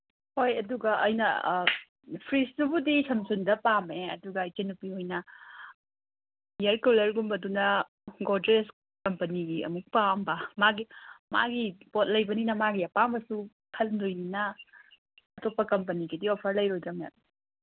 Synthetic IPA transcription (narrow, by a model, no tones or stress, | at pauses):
hojɐduɡɐʔɐ̰jnɐ | pʰɾisdubudisʰɐmsundɐpameɐ̰duɡɐːjt͡ʃenupihojnɐ | jɐɾkulɐɾɡumbɐdunɐ | ɡodɾes | kɐmpɐniɡiɐ̰muk̚pambɐmaɡima̰ɡipot̚lɐjbɐninɐmaɡiɐpambɐsu | kʰɐlndojninɐ | ɐtopːɐkɐmpɐniɡidiopʰɐɾlɐjɾojdɐmḛn